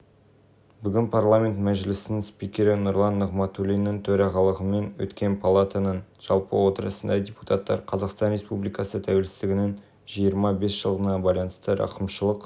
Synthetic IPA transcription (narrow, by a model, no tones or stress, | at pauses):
bʏɡʲɪnpʰarlˠamʲe̞nt̪mæʒɪlɪsɪnɪŋspikʲe̞ɾɪnʊɾlˠɑnːəʁmɑt̪ulʲijnːəŋt̪ʰɵɾɑʁɑlˠəʁəme̞nwɵ̰t̪kʲe̞npʰalˠat̪anənʒ̥ɑlˠpə̰wo̞t̪əɾəsənd̪ɑdʲepu̥t̪ʰat̪ːɑ̰ɾqʰɑzɑqst̪ɑnɾʲe̞spublijkɑsət̪ʰæwe̞lsɪzd̪ɪɡʲɪnɪŋ | ʒijəɾmɑbesʒ̥əlˠʁənɑbɑjlˠɑnəst̪əɾɑ̰qəmʃəlˠəq